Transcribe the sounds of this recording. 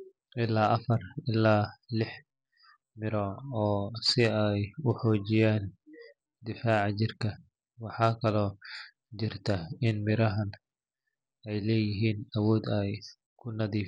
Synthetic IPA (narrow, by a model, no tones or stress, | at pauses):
ʔɪlaːʔɐfɐrɪlːaːlɪħ | mɪɾɔːɔːsɪɛjʊħɔːt͡ʃɪjaːn | d̪ɪfaːʕɑt͡ʃɪrkʰɐ | wɑħɑːkʰɐlɔː | t͡ʃɪrt̪ʰɐɪnmɪɾɐɦɐn | ɛjlɛːjɪɦiːnɐwɔːd̪ɛj | kʰʊnɐðiː